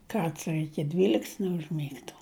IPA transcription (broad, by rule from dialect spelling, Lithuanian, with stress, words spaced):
ˈkɐrts ɪr ɪkʲɪ ˈdʲʋʲiːlʲɪkts nʲɛʊʒʲˈmʲiːktʊ